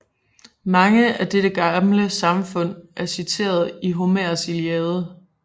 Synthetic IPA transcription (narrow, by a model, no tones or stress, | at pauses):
mɑ̈ŋəæd̥eɾ̥əɡ̥ɑ̈mləsɑ̈mfɔ̽n̰ʔæɐsit͡sʰe̝̰ːɐð̞̩ˠiɦo̝mæɐsiliɛːðˠə